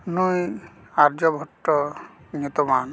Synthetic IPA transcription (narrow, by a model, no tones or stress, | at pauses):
nuj | aɾd͡ʒɔbʱɔʈːɔ | ɲut̪ɔman